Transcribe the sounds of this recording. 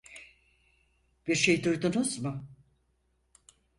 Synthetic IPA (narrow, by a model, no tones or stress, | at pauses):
b̥iɾʃe̞jd̪ujd̪unuzmʊ